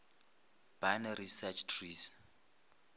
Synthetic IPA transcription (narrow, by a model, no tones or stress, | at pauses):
b̥anrisat͡ʃʰtʰriːs